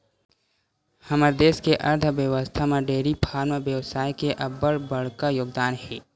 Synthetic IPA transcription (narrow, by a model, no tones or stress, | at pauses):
həməɾd̪eːskeʔɐɾt̪ʰəʋjəʋəst̪ʰameɖeːɾipʰaːɾmeʋjəʋsaːjkeʔɐbəɽbəɽ̤kajoːɡd̪aːnɦɛː